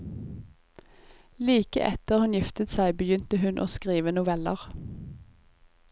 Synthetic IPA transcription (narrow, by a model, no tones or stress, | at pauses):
liːkə̰ʔɛt̪əʁhʉnjɪft̪ət̪sæɪbəjʏnt̪əhʉnʔo̰ːskʁiːʋənʊʋɛləʁ